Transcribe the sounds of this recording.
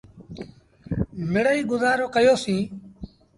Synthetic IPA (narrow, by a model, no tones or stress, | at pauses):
mɪɽəiːɡʊzaːɾoːkəjoːsĩː